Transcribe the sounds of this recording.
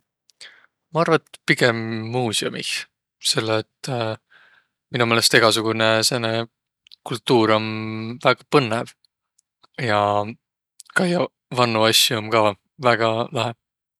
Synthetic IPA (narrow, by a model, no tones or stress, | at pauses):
mɑɑrvɑt̪piɡ̥e̞mːuːsiomḭh | se̞lːeːt̪ː | minume̞ːlest̪e̞ɡ̥ɑsuɡ̥unesenːe | kult̪ːuːɾo̞mvæɡ̥ɑpɤnːev | jɑ | kɑjɑ | vɑnːuɑsːuo̞mkɑ | væɡ̥ɑlɑɦe̥